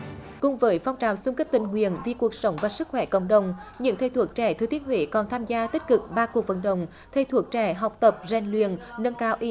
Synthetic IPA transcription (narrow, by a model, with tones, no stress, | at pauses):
kʊ˨˩ŋ͡mvəː˨˦jfa˧wŋ͡mt͡ɕaː˨˩wsu˧ŋ͡mkə˦˥p̚t̪ï˨˩ŋ̟ŋwḭ˧˨ənvi˨˩ku˨˩ək̚sə˨˦wŋ͡mvaː˨˩sɨ˦˥k̚xwɛ˧˩˦kə̰˧˨wŋ͡mɗə˨wŋ͡mɲɨ̰˧˥ŋt̪ʰe˧˩jt̪ʰu˨˩ək̚t͡ɕɛ˧˩t̪ɨ˨˩t̪i˨˦ənɦwḭ˧˨˦kɔ˨˩nt̪ʰaː˧mzaː˧t̪i˦˥k̟̚kɨ˨˩k̚ɓaː˧ku˨˩ək̚və̰˧˥˦nɗə̰˧˨wŋ͡m | t̪ʰe˧˩jt̪ʰu˨˩ək̚t͡ɕɛ˧˩ɦa˨˩wk͡p̚t̪ə˨˩p̚za˨˩ŋlwḭ˨ənːə˧nkaː˨˦wʔi˧